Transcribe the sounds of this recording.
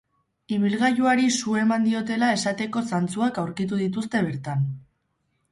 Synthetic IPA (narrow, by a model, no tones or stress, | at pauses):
iβilɣajuaɾisue̞mand̪io̞t̪e̞lae̞sat̪e̞ko̞sant͡suakawɾkit̪̬uðit̪̬ust̪e̞β̞e̞ɾt̪an